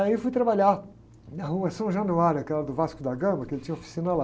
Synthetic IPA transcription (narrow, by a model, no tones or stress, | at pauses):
aifujt̪ɾabaʎa | nɐɦuɐsɐ̃ʒɐ̃nuaɾʊɐkɛlɐd̪ʊvaskʊd̪ɐɡɐ̃mbɐkɪelɪt͡ʃĩɲɐofi̥sĩnɐla